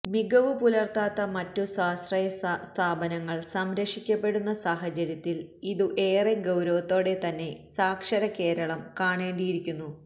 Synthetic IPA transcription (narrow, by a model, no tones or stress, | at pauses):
miɡɐʋupulɐrt̪aːt̪ːɐmɐtːusaːsrɐjɐst̪ʰaːbɐnɐŋːɐɭsɐmɾɐʂikʲːɐpːe̞ɽunːɐsaːɦɐt͡ɕɐɾjɐt̪ːiliðuʔe̞ːreɡɐwɾɐʋɐt̪ːo̞ːɽe̞t̪ɐnːe̞saːkʂɐɾɐke̞ːɾɐɭɐmkaːɳeːɳɖijiɾikʲːunːu